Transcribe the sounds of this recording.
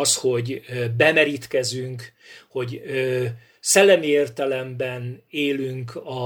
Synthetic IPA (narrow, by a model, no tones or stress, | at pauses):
sho̞ɟbɛmɛɾiːt̪kɛzyŋk | ho̞ɟøː | sɛlːɛmieːrt̪ɛlɛmbɛneːlyŋkɒ